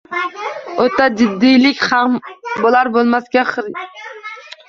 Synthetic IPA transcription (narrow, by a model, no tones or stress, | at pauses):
ot̪ʰːɑd͡ʒɪd̪ːijlɪkʲχɑmbolˠɑɾbolˠmɑsɡʲɛχɨɾ